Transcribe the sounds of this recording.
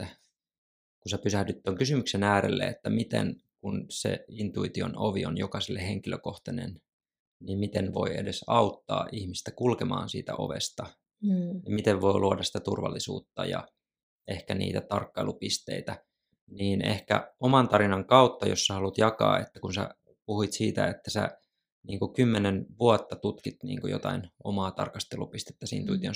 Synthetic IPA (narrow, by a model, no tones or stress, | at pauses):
kunsepysæhdyt̪ːoŋkysymyksenæːɾelːḛet̪ːæmit̪ḛnkunsḛint̪uit̪ionoʋionjokɑsilːeheŋkiløkoht̪ɑnen | nimmit̪enʋo̞iḛdesɑut̪ːɑːʔihmist̪ækulkemɑ̰ːnsḭːt̪æ̰ʔo̞̰ʋest̪ɑ | jɑmit̪eʋʋo̞iluodɑsi̥t̪æt̪urʋɑlːisṵːt̪ːɑjɑ̰ | ehkænḭːt̪æt̪ɑrkːɑilupist̪eit̪æ | niːnehkæomɑnt̪ɑɾinɑŋkɑut̪ːɑjosːæhɑlut̪jɑkɑ̰ːet̪ːækunsæ̰ | puhit̪siːt̪æet̪ːæsæ̰ | niːŋkukymːenenʋuɑt̪ːɑt̪ut̪kit̪nḭːŋkujot̪ɑinomɑːt̪ɑrkɑst̪elupist̪e̥t̪ːæsiːnt̪uit̪ion